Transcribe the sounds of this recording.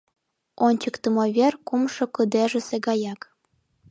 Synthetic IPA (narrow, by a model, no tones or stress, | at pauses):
onʲt͡ɕəkt̪ɤ̆moβʲerkumʃŏkə̆d̪eʒə̆seɡɑjɑk